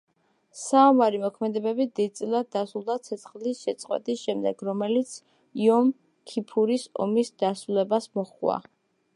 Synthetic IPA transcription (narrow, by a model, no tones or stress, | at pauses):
saɔmaɾimɔkʰmɛd̪ɛbɛbid̪id̪̚t̪sʼilˠad̪̚ːasulˠd̪at̪sʰɛt̪sχlisʃɛt̪sʼqʼwɛ̰t̪ʼisʃɛmd̪ɛɡɾɔmɛlit̪sʰ | iɔm | kʰipʰuɾisɔ̰misd̪̥asɾulɛbasmɔχwa̰